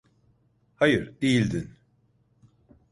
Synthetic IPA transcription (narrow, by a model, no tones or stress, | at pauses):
hajɯɾd̪ejilʲd̪in